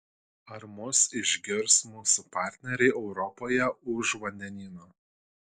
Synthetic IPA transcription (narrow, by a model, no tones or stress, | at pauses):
ɐɾmʊsɪʒʲɡʲɪɾsmuːsupɑːˑɾʲt̪ʲnʲɛɾʲɛɪʔɛʊɾɔpoːjɛʊʃʋɐnʲd̪ʲɛnʲiːnoː